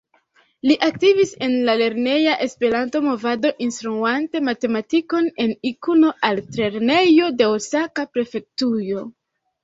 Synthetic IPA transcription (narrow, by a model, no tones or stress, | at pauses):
liʔak̚tivise̞nlale̞ɾne̞jaʔe̞spe̞ɾanto̞mo̞vado̞ʔinstɾuante̞mate̞matiko̞ne̞nikuno̞ʔaltɾe̞ɾne̞jo̞de̞osakapɾe̞fe̞k̚tujo̞